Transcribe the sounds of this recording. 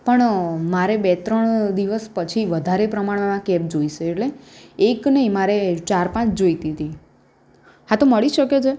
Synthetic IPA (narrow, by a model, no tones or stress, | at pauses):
pəɳmaɾebet̪ɾəɳd̪iʋəspət͡ʃʰiʋəd̪ʱaɾepɾəmaɽ̃amãkɛp̚d͡ʒoiʃeːʈleeknəɦĩmaɾet͡ʃaɾpãt͡ʃʰd͡ʒoit̪it̪i | ɦãt̪oməɭiʃəket͡ʃʰe